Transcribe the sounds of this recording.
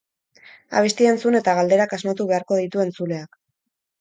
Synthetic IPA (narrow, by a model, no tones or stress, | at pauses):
a̰β̞e̞st̪ie̞nt͡sune̞t̪aɣ̞ald̪e̞ɾakazmat̪uβe̞aɾko̞ð̞it̪ue̞nt͡sule̞ak